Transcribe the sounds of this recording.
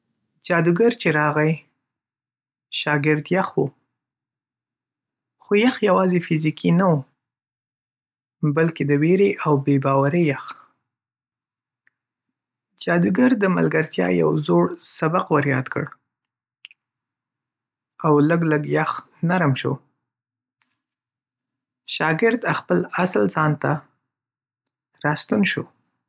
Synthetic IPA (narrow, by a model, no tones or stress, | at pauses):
d͡ʒɑd̪uɡaɾt͡ʃeɾɑɣaj | ʃɑɡɪɾd̪jaxwu | xojaxjawɑzefizikʰinawu | balked̪əweɾeʔawbebɑwaɾəjax | d͡ʒɑd̪uɡaɾd̪əma̰lɡaɾt̪jɑ̰ja̰wzoɽsabaqwaɾjɑd̪kə̰ɽ | awləɡləɡjax | naɾmʃo̰ | ʃɑɡɪɾd̪axpəlaslzɑnt̪a | ɾɑst̪unʃo